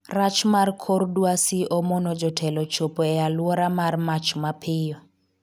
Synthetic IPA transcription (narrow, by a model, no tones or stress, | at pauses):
rat͡ʃmarkʰordwasiʔɔmɔnɔd͡ʒɔtʰɛlɔt͡ʃopoɛalwɔɾamarmat͡ʃmapʰɪjɔ